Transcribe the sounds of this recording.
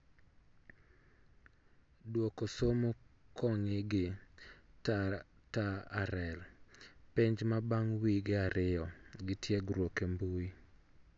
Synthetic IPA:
dwokosomokʰɔŋɪɡɪta | taaɾɛlpɪɲd͡ʒmabaŋwiɡɪaɾɪjɔɡɪtjeɡɾwokembui

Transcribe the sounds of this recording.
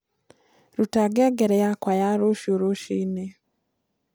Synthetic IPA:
ɾutaɡeɡeɾejakwajaɾoʃoɾoʃine

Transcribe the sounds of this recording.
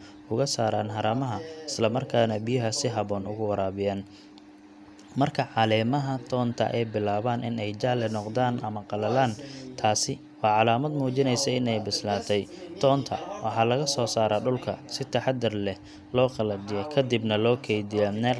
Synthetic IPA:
ʊɣɐsaːɾaːnɦɐɾɐmɐɦɐɪslɐmɐrkʰaːnɐbɪjʊɦɐsɪɦɐβɔːnʊɣʊwɐɾaːβɪjaːn | mɐrkʰɐʕɑlɛːmɐɦɐt̪ʰɔːnt̪ʰɐ̰ʔɛjbɪlaːβaːnʔɪnɛjd͡ʒaʕlɛnɔqd̪aːnʔɐmɐqɑlɐlaːnt̪ʰaːsɪ | wɑːʕɑlaːmɐd̪muːt͡ʃɪnɛjsɐɪnɛjbɪslaːt̪ʰɛjt̪ʰɔːnt̪ʰɐ̰wɑħɑːlɐɣɐsɔːsaːɾɐɖʊlkʰɐsɪt̪ʰɐħɑd̪ɐrlɛh | lɔːqɑlɐd͡ʒɪjɛkʰɐd̪ɪbnɐlɔːkʰɛjd̪ɪjɐnɛ

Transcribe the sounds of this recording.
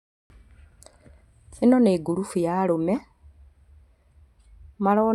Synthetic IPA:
enɔneːɡuɾufujaɾomɛ | maɾɔː

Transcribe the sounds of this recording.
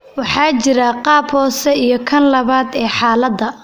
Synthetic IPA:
wɑħɑːt͡ʃɪɾɐqɑːbhɔːsɛijɞkʰɐnlɐβaːd̪ɛːħɑːlɐd̪ɐ

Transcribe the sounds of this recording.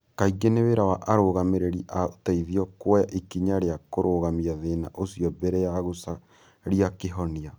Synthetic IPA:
kaiɡeneβeɾawaʔaɾoɣameɾeɾiʔataiðiɔkwɔjaʔikiɲaɾeakoɾoːɣamiaðena̰ʔosiɔbɛɾɛjaɣosa | ɾijakeɦɔnia

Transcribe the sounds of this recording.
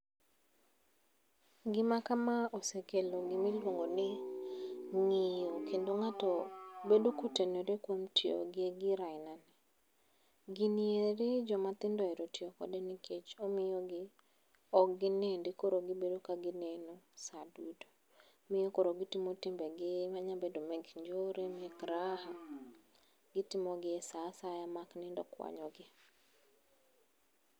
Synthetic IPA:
ɡɪmakamaosekeloɡɪmɪlwoŋɡonɪ | ŋɪjokʰendoŋatɔbedokutenoɾekwomtɪo̰ɡeɡɪɾaɪnanɛ | ɡɪnieɾed͡ʒɔmat̪ɪndɔɛɾotɪokɔ̰denɪkʰet͡ʃomɪjɔɡɪ | ɔɡɪnendɪkoɾoɡɪbedokaɡɪnenosadudo | mɪjɔkoɾoɡɪtɪmotɪmbɛɡɪmaɲabɛdomɛɡɲd͡ʒoɾemɪɛkɾaha | ɡ̥ɪtɪmoɡɪɛsasajamaknɪndɔ̰kwa̰ɲɔɡɪ

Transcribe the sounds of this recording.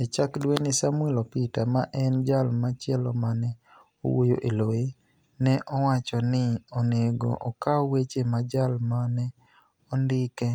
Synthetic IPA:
et͡ʃakdwenɪsamʊɛlɔpitamaʔɛnd͡ʒalmat͡ʃɛlɔmanɛ | o̰wo̰jo̰ʔeloe | nɛʔɔwat͡ʃɔnɪɔneɡo̰ʔɔkaɔwet͡ʃemad͡ʒalmanɛ | ɔndɪkɛ

